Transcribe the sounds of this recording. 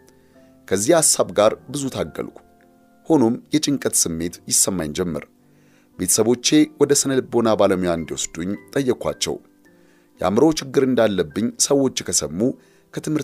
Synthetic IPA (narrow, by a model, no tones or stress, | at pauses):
kʰəzːihasːaβɡaɾbɨzut̪ʰaɡːə̰lkʷʼu̥ | ho̞no̞mjɛt͡ʃʼɪŋkʼət̪sɨmːe̞t̪jɪsːəmːajnd͡ʒɛmːə̰ɾ | be̞t̪ʰə̥səβo̞t͡ʃːe̞wɔd̪əsənəlɨbo̞nabaləmujaɨnd̪iwosd̪̥uɲt̪ʼəjːɛkʼʷa̰t͡ʃːɛ̰w | jɛʔa̰mɾowt͡ʃɪɡːɨɾɨnd̪alːəbːɨɲːsəwːo̞t͡ʃːkʰəsəmːu | kʰət̪ʰɨmhɨɾ